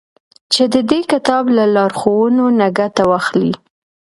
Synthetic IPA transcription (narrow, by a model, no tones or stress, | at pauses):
t͡ʃed̪əd̪ekɪt̪ɑblalɑɾxowənonaɡat̪awɑxli